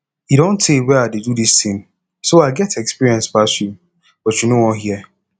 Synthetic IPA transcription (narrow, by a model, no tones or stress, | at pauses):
iɾõntːewɛadedudistɪ̃ŋ | soaɪɡɛtɛkspiɹiɛ̃nsbasu | b̥ɔtt͡ʃjunoɔɦiɛ